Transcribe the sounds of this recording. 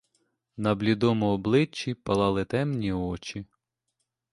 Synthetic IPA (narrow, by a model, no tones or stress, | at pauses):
nɐblʲid̪ɔmɔɔblˠɪt͡ʃːipɐlˠɑlˠɪt̪ɛmnʲiɔt͡ʃi